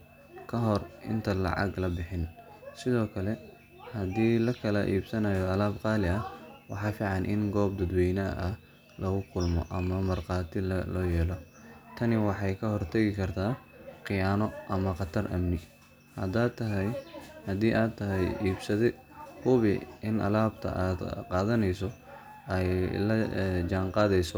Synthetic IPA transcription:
kʰɐɦɔrɪ̰nt̪ʰɐlɑ̰ʕɑ̰ɡlɐbɪħɪn | sɪðɔːkʰɐlɛ | hɐd̪iːlɐkʰɐlɐʔiːbsɐnɐjɔɐlaːbqɑːlɪɐwɑħɑːfiːʕɑnʔɪ̰nɡɔːbd̪ɐd̪wɛjnɐʔɐ | lɐɣʊkʰʊlmɔ̰ʔɐmɐmɐrqɑːt̪ʰɪlɔːjɛːlɔ | t̪ʰɐnɪwɑħɑjkʰɐɦɔrt̪ʰɐɣɪkʰɐrt̪ʰaːqɪjaːnɔʔɐmɐqɑt̪ʰɐrʔɐ̰mnɪ | hɐ̰d̪aːt̪ʰːɐɦɛjhɐd̪iːʔaːt̪ʰːɐɦɛjʔiːbsɐðɛ | kʰʊβɪɪnʔɐ̰laːbt̪ʰɐ̰ʔaːd̪qɑːðɐnɛjsɔ | ɛjlɐd͡ʒaːŋqɑːðɛjsɔ

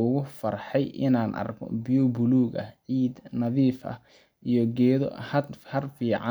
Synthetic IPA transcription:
ʊɣʊfɐrħɛjʔɪ̰naːnʔɐ̰rkʰɔ̰bijubʊluːɣɐ̰ʕiːd̪nɐðiːfʔɐ̰h | ʔijɔɡɛːðɔ̰hɐhɐrfiːʕɑ

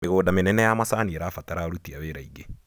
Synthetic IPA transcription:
meɣoːdamenɛnɛjamasaːnieɾafataɾaoɾutiaweːɾaiɡe

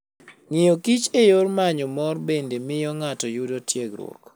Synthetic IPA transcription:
ŋijokit͡ʃejormaɲɔmɔrbendemɪjɔŋatɔjudotjeɡɾwɔ̰k

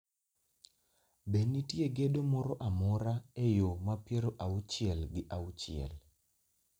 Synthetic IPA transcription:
benːitjeɡedomɔɾɔʔamɔɾaejomapjeɾoʔaut͡ʃɪɛlɡɪʔaut͡ʃɪ̰ɛ̰l

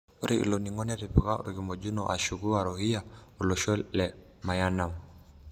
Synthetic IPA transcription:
uɾʔiʔḭlɔniŋɔnɛɾipiɣaṵɾiɣimɔd͡ʒunɔʔa̰ʃuɣuaɾɔhiaulɔʃɔlɛ | majanam

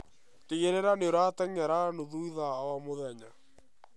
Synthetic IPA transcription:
teɣeɾɛɾaneoɾataŋaɾanoðuiðaːwamoðɛɲa

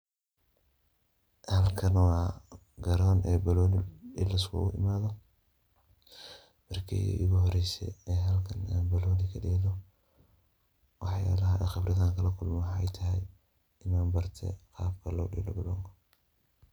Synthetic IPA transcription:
hɐlkʰɐnwɑː | ɡɐɾɔːnʔɛːbɐlɔːnɪɛ̰lɐskʰʊ̰ʔʊ̰ʔɪ̰maːðɔ | mɐrkʰɛ̰ʔʊɣʊhɔɾɛjsɛ̰ɛːɦɐlkʰɐnaːnbɐlɔːnɪkʰɐɗɛːlɔ | wɑħja̰ːlɐɦɐʔɛːxɪbrɪðaːŋkʰɐlɐkʰʊlmɔwħɛjt̪ʰɐɦɛj | ɪmaːmbɐrt̪ʰɛ̰qɑːb̚kʰɐlɔ̰ːɗɛ̰ːlɔbɐlɔːŋkʰɐ

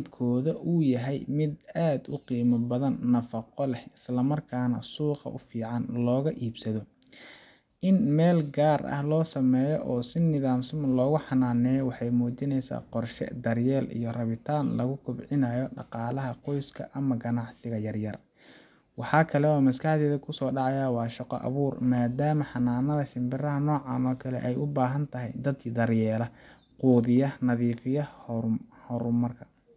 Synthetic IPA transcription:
d̪kʰɔːðɐʔʊjɐɦɛjmɪd̪aːd̪ʊqiːmɐbɐðɐnːɐfɐqɔlɛhɪslɐmɐrkʰaːnɐ̰suːqɑ̰ʔʊ̰fiːʕɑnlɔːɣɐʔiːbsɐðɔ | ʔɪnmɛːlɡaːrɐ̰hlɔːsɐmɛːjɔʔɔːsɪnːɪðaːmsɪmɐlɔːɣʊħɑnaːnɛːjɔwɑħɑjmuːt͡ʃɪnɛjsa̰ːqɔrʃɛ̰d̪ɐrjɛːlḭjɞrɐβɪt̪ʰaːnlɐɣʊkʰʊbʕɪnaːjɔɖɑ̰qɑːlɐɦɐqɔjskʰɐ̰ʔɐmɐɡɐnɑʕsɪɣɐjɐrjɐr | wɑħɑːkʰɐlɛɔːmɐskʰɐħd̪ɛːðɐkʰʊsɔːɖɑʕɑjaːwɑːʃɑqɔ̰ʔɐ̰βuːrmaːd̪aːmɐħɑnaːnɐðɐʃɪmbɪrɐɦɐnɔːʕɑːnɔːkʰɐlɛ̰ʔɛjʔʊbaːɦɐnt̪ʰɐɦɛ̰jd̪ɐd̪kʰd̪ɐrjɛːlɐ | quːðɪjɐnɐðiːfɪjɐ | hɔɾʊmɐrkʰɐ̥

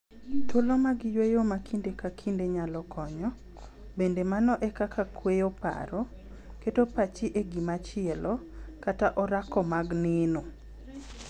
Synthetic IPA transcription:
tʰʊlomaɡɪjwejomakʰindekakʰindeɲalɔkʰɔɲɔ | bendemanɔʔɛkakʰakʰwejopa̰ɾɔ | ketopat͡ʃɪʔeɡimat͡ʃɪɛlɔkataʔɔɾakɔmaɡnɪno

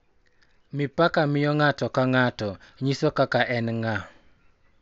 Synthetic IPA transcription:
mɪpakamɪjɔŋatɔkaŋatɔɲisɔkakaʔɛnŋa

